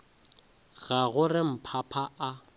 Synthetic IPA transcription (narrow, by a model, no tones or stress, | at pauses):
ɣaɣʊrɪm̩pʰapʰaa